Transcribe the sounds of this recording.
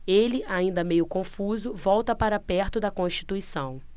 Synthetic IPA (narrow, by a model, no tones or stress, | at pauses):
elɪaĩnd̪ɐmejʊkõfuzʊvɔwt̪ɐpaɾɐpɛɾt̪ʊd̪ɐkõʃt͡ʃi̥t̪uisɐ̃w̃